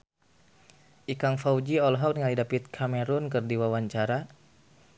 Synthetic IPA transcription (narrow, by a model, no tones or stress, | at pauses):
ʔikaŋfawd͡ʒiɔlɦɔk̚nŋalidapɪt̪̚kʰamɛɾʊnkərdiwawaɲt͡ʃaɾa